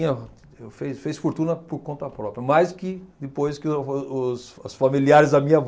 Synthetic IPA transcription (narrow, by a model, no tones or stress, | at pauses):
ɲɐ | ewfesfejsfoɾt̪ũnɐpʊɾkõnt̪ɐpɾɔpɾiɐmajskɪd̪ɪpojskɪʊsɐsfamiliaɾɪzd̪ɐmĩɲɐ